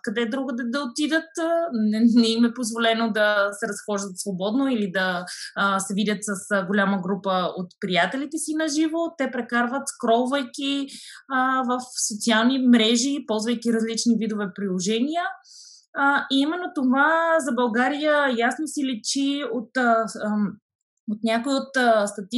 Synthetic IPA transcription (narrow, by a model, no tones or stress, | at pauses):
kɐd̪ɛd̪ɾuɡəd̪ɛd̪ɐot̪id̪ət̪nɛnɛimɛpozvolɛnod̪ɐsɛɾɐsxɔʒd̪ət̪svobɔd̪noilid̪ɐ | sɛvid̪ʲət̪sɐsɡolʲaməɡɾupəot̪pɾijat̪ɛlit̪ɛsinɐʒivot̪ɛpɾɛkaɾvət̪kɾɔlˠvəjkʲi | vəfsot̪sialˠnimɾɛʒipɔlˠzvəjkiɾɐzlit͡ʃnivid̪ovɛpɾilˠoʒɛnijə | iimɛnːot̪ovazɐbɐlˠɡaɾijəjasnosilɛt͡ʃiot̪ | ot̪nʲakoiot̪st̪ɐt̪i